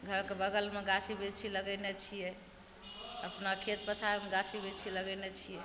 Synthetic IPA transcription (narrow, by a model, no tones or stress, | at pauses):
ɡʱəɾkebəɡəlmeɡat͡ʃʰibet͡ʃʰiləɡənet͡ʃʰijɛ | əpnakʰet̪̚pət̪ʰaemeɡat͡ʃʰibet͡ʃʰiləɡɛnet͡ʃʰijɛ